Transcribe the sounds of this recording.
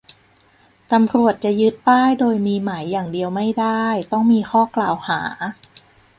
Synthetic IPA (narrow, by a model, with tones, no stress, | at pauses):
t̪a˧mkɾu˨˩ət̪̚t͡ɕa˨˩jɯ˦˥t̪̚paː˥˩jdoː˧jmiː˧ma˩˦jːaː˨˩ŋdi˧əwma˥˩jdaː˥˩jt̪ɔ˥˩ŋmiː˧xɔː˥˩klaː˨˩whaː˩˦